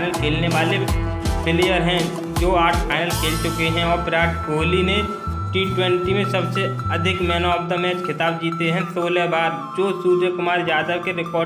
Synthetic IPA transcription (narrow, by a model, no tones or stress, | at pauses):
nəlkʰeːlneʋaːle | pʰɪlejəɾɦɛ̃ | d͡ʒoːaːʈʰpʰaːɪnəlkʰeːlt͡ʃʊkeɦɛ̃ɔːɾpɪɾaːʈʰɡoːlinẽ | ʈiːʈwɛ̃ɳʈimẽsɐbseɐd̪ʱɪkmɛːnoəb̚d̪əmɛːt͡ʃkʰɪt̪aːbd͡ʒiːt̪eɦɛ̃soːlɛbaːɾ | d͡ʒoːsuːd͡ʒəkʊmaːɾzaːd̪əkeɾɪkɔː